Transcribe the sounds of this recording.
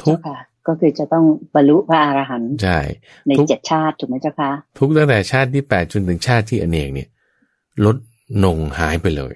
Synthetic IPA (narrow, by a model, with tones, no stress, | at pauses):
t̪ʰu˦˥˩kʰa˦˥ | kɔː˥˩kʰɯː˧t͡ɕa˨˩t̪ɔ˥˩ŋba˧nlu˦˥ʔpʰa˦˥ʔaː˧ɾaː˧ɦa˨˩˦nt͡ɕʰa˥˩j | na˧u˦˥t͡ɕe˨˩t̪̚t͡ɕʰaː˥˩t̪ʰːu˨˩km˦˥jt͡ɕʰa˥˩kʰa˦˥t̪ʰu˦˥k̚t̪ʰa˥˩ŋt̪ɛː˨˩t͡ɕʰaː˥˩t̪̬̚ʰːiː˥˩pɛː˨˩t̪̚t͡ɕo˧nt̪ʰɯ˩˦ŋt͡ɕʰaː˥˩t̪̚ʰːiː˥˩ʔa˧nʔeː˨˩k̚ni˥˩ɐ | lo˦˥t̪̚ | no˧ŋhaː˩˦jpa˧jlɤ̰ː˧j